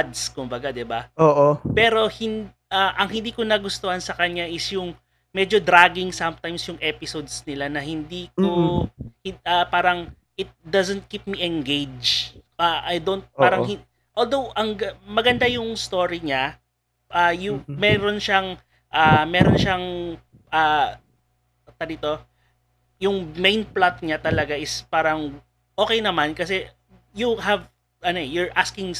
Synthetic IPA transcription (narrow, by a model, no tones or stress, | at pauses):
d̪skʊmbɐɡad̪ɪbaoːʔopɛːɾo̞hɪn | ʔaʔɐŋhɪnd̪iːkonɐɡʊst̪ohansɐkɐɲaʔɪsjʊŋ | mɛd͡ʒo̞d̪ɾaɡɪŋsɐmt̪ajmsjʊŋʔɛpɪsod̪snɪlanɐhɪnd̪iːkohɪapaːɾɐŋ | ʔɪt̪̚d̪ɐzɛnt̪̚kip̚miʔɛnɡejd͡ʒʔaʔajd̪ont̪̚paːɾɐŋhɪ | ʔoːld̪owʔɐŋɡmɐɡɐnd̪ajʊŋst̪o̞ːɹiɲa | ʔajʊmɛɾo̞nʃaŋ | ʔamɛːɾonʃaŋ | ʔa | t̪ɐdit̪o̞ | jʊŋmejnplat̪̚ɲat̪ɐlɐɡaʔɪspaːɾɐŋ | ʔo̞ːkɛjnɐmankɐsɛ | juɦɐv | ʔɐnoɛjʊɹʔaskɪŋ